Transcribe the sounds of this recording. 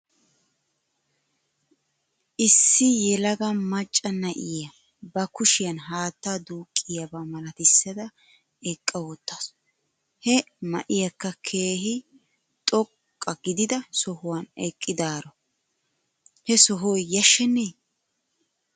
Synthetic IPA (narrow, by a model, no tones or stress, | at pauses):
ʔɪsːɪjɛlɐɡɐmɐt͡ʃʼːɐnɐʔɪjɐ | bɐkʊʃɪjɐnɦaːt̪ːaːd̪uːkʼːɪjɐbamɐlɐt̪ɪsːɐd̪ɐ | ɛkʼːɐwɔt̪ːas | hɛmɐ̰ʔɪjɐkːɐkʰeːɦɪ | t̪ʼɔkʼːɐɡɪd̪ɪd̪ɐsɔhʊwɐnɛkʼːɪd̪aːɾɔ | hɛsɔɦɔjːɐʃːɛne